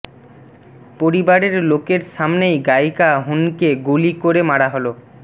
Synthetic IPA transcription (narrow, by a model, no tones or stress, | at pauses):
poɾibaɾeɾlokeɾʃamnejɡajkaɦunkeɡulikoɾemaɽaɦolo